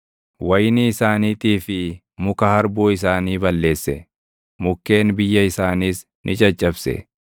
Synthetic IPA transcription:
wɐjnɪːɪsaːniːt̪ʼiːfɪ | mʊkɐhɐɾbuːɪs̬aːniːbɐlːe̞ːsːɛ | mʊkːe̞ːnbɪjːɐɪsaːniːs | nʔɪt͡ʃʼɐt͡ʃʼːɐbsɛ̰

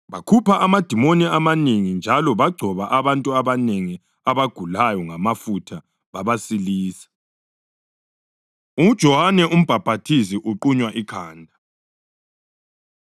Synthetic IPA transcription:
βakʰupʰaʔamad̥ʱimoniamaneŋind͡ʒʱalɔβaɡ͡ǀʱɔβaʔaβantʼuaβaneŋi | aβaɡ̥ʱulajɔŋamafutʰa | βaβasiliːsḁ | ud̥ʒ̥ʱɔwanɛʔum̩b̥ʱab̥ʱatʰisiʔuǃuɲwaʔikʰaːndʱa

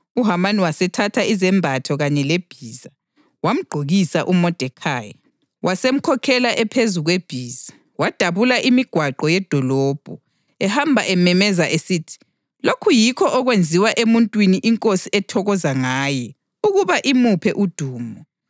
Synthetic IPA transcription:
uɦamaniwasɛtʰatʰaizɛmbʱatʰɔɣaɲɛleb̥ʱiːza | wam̩ɡ͡ǃʱoɣisaʔumɔd̥ʱɛkʰaːjɛ | wʔasem̩kʰɔkʰɛlaʔɛpʰezuɣweb̥ʱiːzḁ | wad̥ʱaβulaʔimiɡ̥ʱwaǃɔjɛd̥ʱɔlɔːb̥ʱu | ɛhambʱaʔɛmɛmɛzaʔesitʰi̥ | lokʰujikʰɔʔɔɣwend͡zʱiwaʔemuntʼwiniʔiŋkʼosiɛtʰɔɣɔzaŋaːjɛ | uɣuβaʔimupʰɛʔud̥ʱuːmɔ

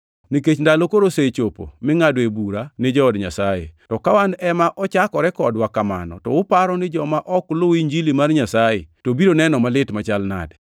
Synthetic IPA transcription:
niket͡ʃndalokoɾoset͡ʃopo̰mɪŋadebuɾanɪd͡ʒɔɔdɲasajḛtɔkawandɛmaʔɔt͡ʃakɔɾɛkɔdwakama̰nɔ̰tɔ̰ʊpaɾɔnɪd͡ʒɔmaʔɔkloiɲd͡ʒilimarɲasajḛtobiɾonɛnɔmalɪtmat͡ʃalna̰d

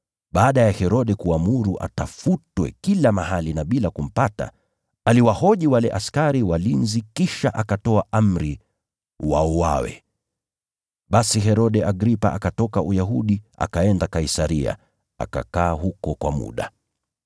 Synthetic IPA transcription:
ɓaːɗajahɛɾɔɗɛkuamuɾuʔa̰tafutwɛ̰kilamaɦalinaɓilakum̩pata̰ | aliwahɔʄiwalɛʔaskaɾiwalinzikiʃaʔakatɔaʔam̩ɾi | wa̰ɔwa̰wɛ̰ | ɓasiɦɛɾɔɗɛʔaɡɾipa̰ʔakatɔkaʔujaɦuɗia̰kaɛndakaisaɾia̰ | a̰ka̰kaːɦukɔkwa̰mṵɗa

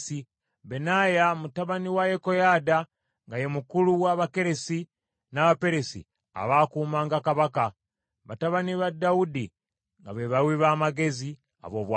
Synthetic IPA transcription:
si | be̞najamutaβaniwajeko̞jada | ŋɡajemukuluwaβake̞ɾe̞si | naβape̞ɾe̞sḭ | a̰βakuːmaːŋɡakaβaka | βataβaniβadaudi | ŋɡa̰βeβawiβaːmaɡe̞zi | a̰βo̞βwa

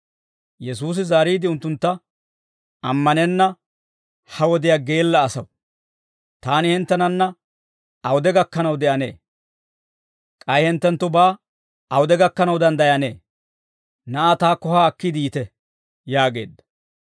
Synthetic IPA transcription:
jɛs̬uːs̬ɪzaːɾiːd̪ɪʊnt̪ːʊnt̪ːɐ | ɐmːɐnɛnːɐ | hɐwɔd̪ɪjaːɡe̞ːlːɐːsɐw | t̪aːnɪhɪnt̪ːɛnɐnːɐ | ɐwʊd̪ɛɡɐkːɐnɐwd̪ɛʔɐne̞̰ː | kʼɐjhɪnt̪ːɛnt̪ːʊbaː | ɐwʊd̪ɛɡɐkːɐnɐwd̪ɐnd̪ɐjɐnḛː | nɐʔat̪aːkːɔhaːkːid̪ijt̪ɛ | jaːɡe̞̰ːd̪ːɐ̥

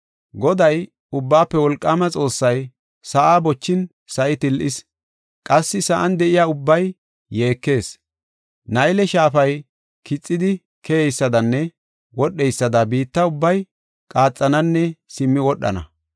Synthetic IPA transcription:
ɡɔd̪ɐj | ʊbːaːpːɛwɔlkʼːaːmɐt͡sʼo̞ːsːɐj | sɐʔaːbɔt͡ʃːɪn | sɐʔɪt̪ɪlʔɪs | kʼɐsːɪsɐʔɐnd̪ɛʔɪjaːʊbːɐjː | e̞ːkːe̞ːs | nɐjlɛʃaːfɐj | kɪt͡sʼːɪd̪ɪ | kʰɛjɛjsːɐd̪ɐnːɛ | wɔɗːɛjsːɐd̪ɐbiːt̪ːɐʊbːɐj | kʼaːt͡sʼːɐnɐnːɛsɪmːɪwɔɗːɐ̰nɐ̰

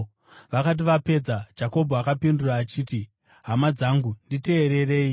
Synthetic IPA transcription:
ʋakat̬iʋape̞d͡zad͡ʒako̞bʱoakapinduraːt͡ʃiːti | ɦamad͡zaŋɡundite̞ːɾe̞re̞ːi

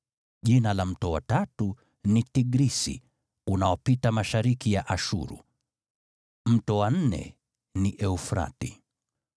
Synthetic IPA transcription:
ʄinalam̩tɔwa̰tatu | nitiɡɾisḭ | unaɔpitamaʃaɾikijaʔaʃṵɾṵ | m̩tɔwan̩nɛ̰ | niʔɛufɾa̰ti

